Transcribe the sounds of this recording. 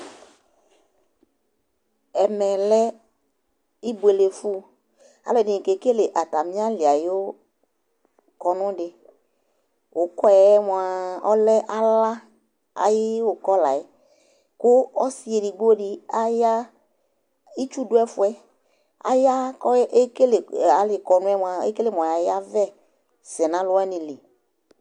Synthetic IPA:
ɛ˨mɛ˨lɛ˦ | i˦bu˨e˨le˨fu˦ | a̰˨lɛ˨nɪ˨ke˨ke˦le˨ʔa˨t̪a˨mĩ˦a˦lɪ˨a˨jo˦ | kɔ˨nʊ̃˦ɖɪ˨ | wo˨kɔ˦ɛ˨˦mɔ̃˨a˨ɔ˦lɛ˦ʔa˦la˦ | a̰˨jɪ˦wo˨kɔ˦la̰˨ɛ˦ | kʊ˦ɔ˦si˦e˨di˨ɡo˦dɪ˦a˦ja˦ | i˦t͡ʃu˦dʊ˦ɛ˦fʊ˦ɛ˦ | a̰˦ja˦kʔke˦le˨a˨lɪ˨kɔ˨nʊ̃˦ɛ˦m˧˨a˨ḛ˦ke˦le˦m˨ja˨ja˦vɛ˦ | sɛ˨nã˨˦lʊ˦ɛ˦nɪ̃˨li˨

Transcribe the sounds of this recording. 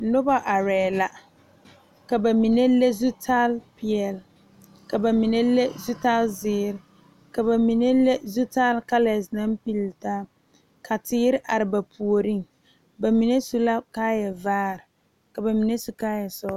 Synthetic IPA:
nʊ˦ba˦ʔa˨ɾɛː˨la˨ | ka˨ba˨mi˨ne˦le˦zu˦tʰa˦lpiɪ˨ɛ˨l | ka˨ba˨mi˨ne˦le˦zu˦ta˦lzɪː˦ɾɪ˦ | ka˨ba˨mi˨ne˦le˦zu˦ta˦lka˦lɛ˨sna˦mpi˦ltaː˦ | kʰa˨tɪː˦ɾɪ˦ʔa˨ɾɪ˨ba˨pʰu˨o˨ɾi˦ŋ | ba˨mi˨ne˦su˦la˦kaː˦jɛ˨vaː˦˨ɾɪ˨ | ka˨ba˨mi˨ne˦su˨kaː˦jɛ˨sɔ˦

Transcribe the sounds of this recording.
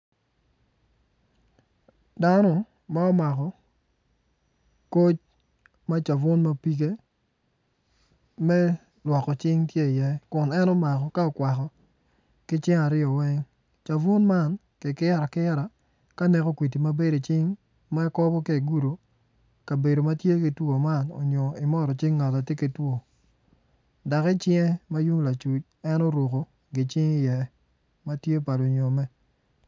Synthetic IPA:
da˦nɔ˦ | ma˦ɔ˦ma˨kɔ˨ | ko˦t͡ʃ | ma˦t͡ʃa˨vʊ˦nma˦pi˦ke˦ | mɛ˦ | lwɔ˨kːɔ˨t͡ʃɪ˦ŋtje˦˨jɛ˦kʊ˨nɛ˦nɔ˦ma˨kɔ˨ka˦ɔ˨kwa˨kɔ˨ | kɪ˦t͡ʃɪ˦ŋa˨ɾɪɔ˨wɛ˦ŋ | t͡ʃa˨vʊ˦nma˦n | kɪ˨kɪ˦ɾa˨kɪ˦ɾa˨ | ka˦nɛ˨kɔ˦kwi˨t̬i˨ma˦be˦do˨t͡ʃɪ˦ŋ | ma˦ɛ˦kɔ˦bɔ˦ke˦e˨ɡu˦ɾo˨ | ka˨be˨do˨ma˦tje˦ki˨two˨ma˦˨nɔ̰˨ɲɔ˨ɪ˨mɔ˦ɾɔ˨t͡ʃɪ˦ŋːa˨la˨te˦ki˨two˨ | da˨kɪ˦t͡ʃɪ˦ŋɛ˦ma˦ju˦ŋla˨t͡ʃu˨t͡ʃ | ɛ˦nɔ˦ɾwo˨ko˨ | ɡɪ˨t͡ʃɪ˦ŋɪ˦jɛ˨ | ma˦tje˦pa˨lo˨ɲo˨mɛ˦

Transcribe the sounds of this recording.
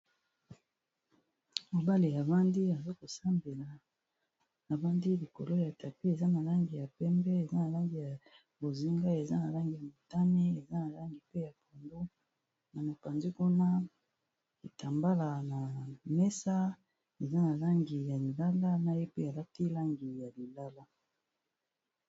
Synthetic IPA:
mo˨ba˦le˨ja˨va˦ndi˦a˨zo˦ko˨sa˦mbe˨la˨ | na˨va˦ndi˦li˨ko˨lo˦ja˨ta˨pi˦e˨za˦na˨la˦ŋɡi˨ja˨pɛ˦mbɛ˦e˨za˦na˨la˦ŋɡi˨ja˨ | bo˨zi˦ŋɡa˦e˨za˦na˨la˦ŋɡi˨ja˨mo˨ta˦ne˦e˨za˦na˨la˦ŋɡi˨pe˦ja˨po˨ndo˦ | na˨ma˨pa˨nzi˦ku˦na˦ | i˨ta˨mba˦la˨na˨mɛ˦sa˦ | e˨za˦na˨la˦ŋɡi˨ja˨li˨la˦la˦na˨je˦pe˦a˨la˦ti˦la˦ŋɡi˨ja˨li˨la˦la˦

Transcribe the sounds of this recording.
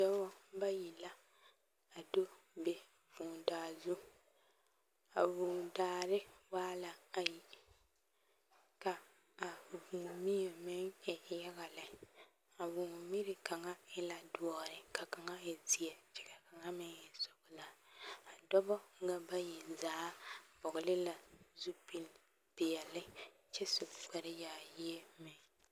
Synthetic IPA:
dɔ˦βɔ˦ba˦ji˨la˦ | a˨do˦ | be˨ | vuː˨ndaː˨zu˦ | a̰˨vuː˨daː˨ɾɪ˦waː˦la˨a˨ji˨ | ka˨ | a˨vu˨mi˦jo˨mɛ˦ŋɛ˨˦jɛ˦ɣa˨lɛ˨ | a˨wʊ˨ŋ˨mi˦ɾɪ˨ka˨ŋa˦ɪ˦la˨dwɔ˦ɾɪ˨ka˨ka˨ŋa˦ɪ˨zi˨ɛ˨t͡ʃɪ̥˨ɡɛ˨ka˨ŋa˦mɪ˦ŋjɛ˨sʊ˨ɡʊ˨la˨a˨dɔ˦bɔ˦ŋ˦ɡa˦ba˦jɛ˨zaː˦bɔ˨ɣʊ˨lɪ˦la˨zu˦pi˦˨l | tɪ˨jɛ˨lɪ˦ | t͡ʃɛ˦sʊ˨k͡pɛ˨ɾɪ˦jaː˨ji˦e˦mɪ˨ŋ

